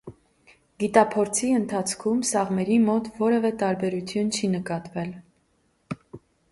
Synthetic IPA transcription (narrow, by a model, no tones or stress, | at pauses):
ɡit̪ɑpʰɔɾt͡sʰiənt̪ʰɑt͡sʰkʰumsɑʁmɛɾimɔt̪vɔɾɛvɛt̪ɑɾbɛɾut͡sʰjunt͡ʃʰinəkɑt̪vɛl